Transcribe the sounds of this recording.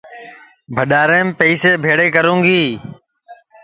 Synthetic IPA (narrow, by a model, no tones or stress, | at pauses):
bʱəɗaːɾeːmpəːseːbʱeːɽeːkəɾũːŋɡiː